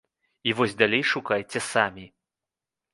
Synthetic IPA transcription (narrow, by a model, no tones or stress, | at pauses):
ivɔzʲd̪alʲejʂukajt͡sʲɛsamʲi